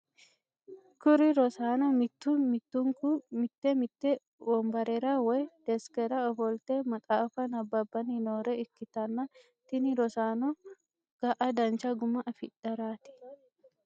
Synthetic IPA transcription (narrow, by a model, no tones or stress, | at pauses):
kʊɾɪɾɔsaːnɔmɪt̪ːumɪt̪ːʊŋkumɪt̪ːemɪt̪ːe | wɔmbɐɾɛɾawɛd̪̥ɛskɛɾɐɔbɔlt̪emɐt̪ʼaːfɐnɐbːɐbːɐninoːɾɛɪkːɪt̪ɐnːɐ | t̪ɪnɪɾɔsaːnɔ | ɡ̥ɐʔɐd̪ɐnt͡ʃɐɡʊmɐʔɐfɪᶑɐɾaːt̪ɪ̥